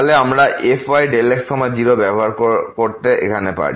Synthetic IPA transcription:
lɛamɹaʔepʰajɖeleksɔmad͡ʒiɹɔbɛbɔɦaɹkɔkoɹt̪ɛʔḛkʰanɛpa̰ɹi

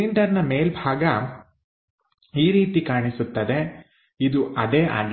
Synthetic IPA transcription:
iɳɖɐɾnɐmeːlbʱaːɡɐ | iːɾiːt̪ikaːɳisut̪ːɐd̪e̞ | id̪uʔɐd̪eːʔa̰ːɡ

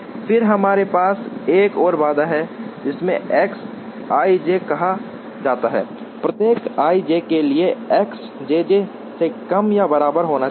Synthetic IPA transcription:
fɪɾɦɐmaːɾepaːseːkɔːɾbaːd̪aɦɛd͡ʒɪsmḛ̃ɛːks | aːid͡ʒekɐɦa | d͡ʒaːt̪aɦɛ̰ː | pɾət̪jeːkaːid͡ʒekelieɛːks | d͡ʒeːd͡ʒe | sekɐmjabɐɾaːbəɾɦoːna

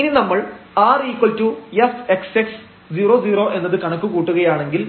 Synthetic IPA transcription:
ininɐmːɐɭaːriːkwɐltujɐse̞kseks | d͡ʑiːro̞ːd͡ʑiːro̞ːʔe̞nːɐðɨkɐɳɐkːukuːʈːuɣɐjaːɳe̞ŋɡil

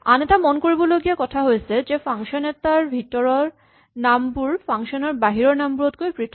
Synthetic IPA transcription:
anet̪amonkoɾboloɡiakɔt̪ʰaɦojet͡ɕʰed͡ʑefaŋʃoneɾt̪ːaɾbʱiʈːoɾoɾ | nampuɾfaŋʃoneɾbaɦiɾoɾnambuɾot̪koepɾit̪ʰ

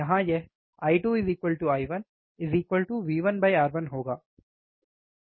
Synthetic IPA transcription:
ɐɦãːje | aːɪʈuːɪziːkʋəlʈuaːɪʋɐn | ɪziːkʋəlʈuʋiːʋənbaɪaːɾʋɐnɦoːɡaː

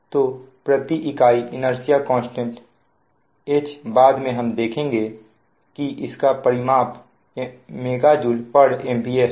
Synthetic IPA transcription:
t̪oː | pɾət̪iʔɪkaːiʔɪnəɾsijakɔ̃ːnsʈẽɳʈ | eːt͡ʃbaːd̪mẽɦɐmd̪eːkʰẽːŋɡe | kiʔɪskapɐɾɪmaːp | meːɡad͡ʒuːlpəɽeːmbiːes

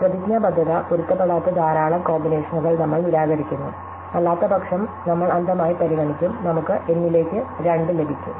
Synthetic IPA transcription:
prɐd̪iɡjɐbɐd̪ʱːɐðɐpuɾut̪ːɐpːɐɽaːt̪ːɐd̪aːɾaːɭɐmko̞ːmbineːʂɐnuɣɐɭnɐmːɐɭilaːɣɐɾikʲːunːṵ | ɐlːaːt̪ːɐbɐkʂɐmnɐmːɐɭɐnd̪ɐmaːjipɐɾiɣɐɳikʲːumnɐmukːɨʔe̞nːile̞ːkʲːɨɾeɳɖɨle̞bʱikʲːṵ

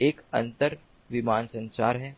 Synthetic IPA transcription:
eːkɐ̰̃nt̪əɾ | ʋɪmaːnsɐ̃nsaːɾɦɛː

